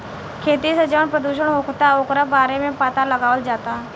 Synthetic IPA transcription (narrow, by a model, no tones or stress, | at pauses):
kʰeːt̪isəd͡ʒəʋəɳpɾəd̪uːʃəɽɦoːkt̪aoːkɾabaːɾemẽpaːt̪aləɡaːʋəld͡ʒaːt̪a